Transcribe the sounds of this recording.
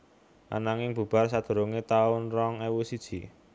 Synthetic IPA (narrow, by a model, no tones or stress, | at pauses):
ʔa̰naŋɪŋb̥ṳb̥a̤rsad̪̥ə̤ɾoŋet̪aʊnrɔŋewusid̥ʒ̥i̤